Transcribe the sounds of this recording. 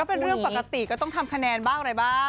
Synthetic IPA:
ɔː˥˩pe˧nɾɯ˥˩əŋpa˨˩kːa˧t̪i˨˩kɔː˥˩t̪ɔ˥˩ŋt̪ʰa˧mkʰa˧nɛː˧nbaː˥˩ŋaɾa˧jbaː˥˩

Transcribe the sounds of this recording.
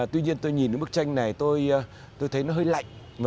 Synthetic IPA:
t̪wi˧ɲi˧ənt̪o˧jɲi˨˩nɨ̰˨˦ɓk̚t͡ɕa˧jŋ̟na˨˩jt̪o˧j | t̪o˧jt̪ʰə˨˦jnɔ˨˦ɦəː˧jla̰˧˨jŋ | va˨

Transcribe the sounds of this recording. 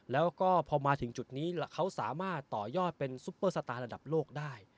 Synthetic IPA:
lɛː˦˥wkɔː˥˩pʰɔː˧maː˧t̪ʰɯ˩˦ŋt͡ɕu˨˩t̪̚niː˦˥la˧˩kʰa˦˥wsaː˩˦maː˥˩t̪ːɔː˨˩jɔː˥˩t̪̚pe˧nsu˦˥pːɤː˧˩sa˧t̪aː˧nɾa˧da˨˩p̚loː˥˩k̚daː˥˩j

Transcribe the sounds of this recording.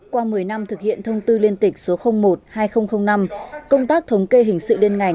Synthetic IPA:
kwaː˧mɨ˨˩əjna˧mt̪ʰɨ˨˩k̚hḭ˧˨ənt̪ʰə˧wŋ͡mt̪ɨ˧li˧ənt̪ï˨˩k̟̚so˨˦xə˧wŋ͡mmo˨˩t̚haː˧jxə˧wŋ͡mxə˧wŋ͡mna˧mkə˧wŋ͡mt̪aː˦˥k̚t̪ʰə˨˦wŋ͡mke˧ɦï˨˩ŋ̟sɨ̰˧˨le˧nŋa˨˩

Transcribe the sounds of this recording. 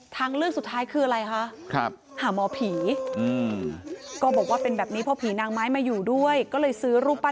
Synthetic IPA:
t̪ʰaː˦˥ŋɾɯ˥˩əŋsu˨˩t̪ʰːaː˦˥jkʰɯː˧ʔa˧ɾa˧jkʰa˦˥ʔkʰɾa̰˦˥p̚ | haː˩˦mɔː˧pʰiː˩˦ʔɯː˧ | kɔː˥˩bɔː˨˩k̚waː˥˩pe˧nbɛː˨˩p̚niː˦˥pʰɔ˦˥pʰiː˩˦naː˧ŋmaː˦˥jmaː˧juː˨˩du˥˩əjkɔː˥˩lɤː˧jsɯː˦˥ɾuː˥˩pːa˧

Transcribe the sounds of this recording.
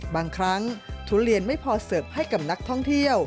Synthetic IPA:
baː˧ŋkʰɾa˦˥ŋt̪ʰu˦˥ɾi˧ənma˥˩jpʰɔː˧sɤː˨˩p̚ha˥˩jka˨˩p̚na˦˥k̚t̪ʰɔ˥˩ŋt̪ʰi˥˩əw

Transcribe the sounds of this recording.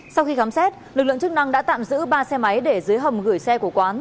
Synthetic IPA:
sa˧wxi˧kaː˨˦msɛ˦˥t̚lɨ˨˩k̚lɨ̰˧˨ŋt͡ɕɨ˦˥k̚na˧ŋɗa̰ː˧˥t̪a̰ː˧˨mzɨ̰˧˥ɓaː˧sɛ˧ma˨˦jɗe˧˩zɨː˨˦əjɦə˨˩ŋ͡mɣɨ˧˩əjsɛ˧ku˧˩kwaː˨˦n

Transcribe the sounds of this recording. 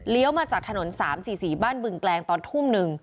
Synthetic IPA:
li˦əwmaː˧t͡ɕaː˨˩k̚t̪ʰa˧no˩˦nsaː˩˦msiː˨˩siː˨˩baː˥˩nbɯ˧˩ŋklɛː˧ŋt̪ɔː˧nt̪ʰu˥˩mnɯ˨˧ŋ

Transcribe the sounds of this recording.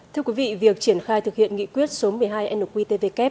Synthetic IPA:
t̪ʰɨ˧əkwi˨˦vḭ˧˨vi˨˩ək̚t͡ɕi˧˩ənxaː˧jt̪ʰɨ˨˩k̚hḭ˧˨ənŋḭ˧˨kwi˦˥ət̚so˨˦mɨ˨˩əjɦaː˧jʔɛ˧nu˨˩k̚wi˧t̪e˧ve˧kɛ˦˥p̚

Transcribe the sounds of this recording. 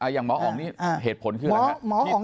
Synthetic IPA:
ʔa˧˩ja˨˩ŋmɔː˨˦ʔʔɔː˨˩˦niː˦˥˩ʔɦeː˨˩t̪̚pʰo˨˩˦nkʰɯː˥˩˧a˧mɔː˨˦˥hɔː˨˦ŋ

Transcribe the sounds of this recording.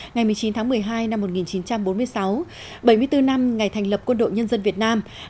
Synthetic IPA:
ŋa˨˩jmɨ˨˩əjt͡ɕi˨˦nt̪ʰaː˨˦ŋmɨ˨˩əjɦaː˧jna˧mːo˨˩t̚ŋi˨˩nt͡ɕi˨˦nt͡ɕa˧mɓo˨˦nmɨ˧əjsa˨˦w | ɓə˧˩jmɨ˧ət̪ɨ˧na˧mŋa˨˩jt̪ʰɛ˨˩ŋ̟lə˨˩p̚kwə˧nɗo̰˧˨jɲə˧nzə˧nvi˨˩ət̚naː˧m

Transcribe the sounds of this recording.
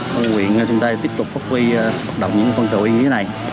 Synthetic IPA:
kwḭ˧˨əna˨˩t͡ɕʊ˨˦ŋ͡mt̪aː˧t̪i˦˥əp̚t̪ʊ˨˩k͡p̚faː˦˥wi˧hə˦˥t̚ɗə̰˧˨wŋ͡mɲɨ̰˧˥kːkwə˧ŋkɨ̰˨˧˩ɲɨ˧e˨˦na˨˩j

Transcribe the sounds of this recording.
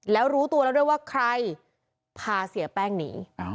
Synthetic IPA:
lɛː˦˥wɾuː˦˥t̪u˧lɛː˦˥du˥˩jwaː˥˩kʰɾa˧j | pʰaː˧si˩˦ɐpɛː˥˩ŋniː˩˦

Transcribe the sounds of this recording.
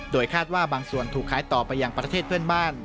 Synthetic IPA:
doː˧jkʰaː˥˩t̪̚waː˥˩baː˧ŋsu˨˩ənt̪ʰuː˨˩kʰːaː˩˦jt̪ɔː˨˩pa˧jːa˧ŋpɾa˧eː˥˩t̪̚pʰɯ˥˩ənbaː˥˩n

